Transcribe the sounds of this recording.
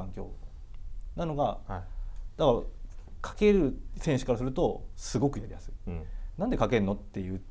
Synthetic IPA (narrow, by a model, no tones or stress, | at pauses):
ãŋkʲo̞ː | nano̞ɡa | d̪̥akaɾakʰḁke̞ɾɯ̟sẽ̞ɰ̃ɕɨ̥kaɾasɨɾɯ̟t̪o̞sɨɡo̞kɯ̟ijaɾḭjasɨ̥nãnd̪e̞kake̞ɯnːo̞t̪ːe̞jɯ̟ː